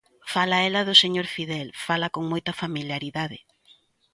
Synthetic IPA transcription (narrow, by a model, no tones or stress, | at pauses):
falɐɛlɐðʊseɲoɾfiðɛlfalɐkoŋmojt̪ɐfamiljaɾiðaðɪ̰